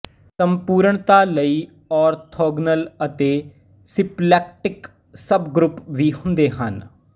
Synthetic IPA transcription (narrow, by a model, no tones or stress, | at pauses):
səmpuːɾəɳt̪aːləiː | ɔːɾt̪ʰoːɡnələt̪eː | sɪplɛːk̚ʈɪk | səbɡɾʊpʋiːɦʊ̃nd̪eːɦən